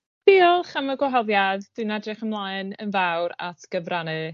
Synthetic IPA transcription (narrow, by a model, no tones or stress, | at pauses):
b̥iːɔlˠχaməɡwɔɦɔðjaðd̥ɨnadrɪχəmlˠaɨnənvawɾa̰tʰɡ̥əvranɨ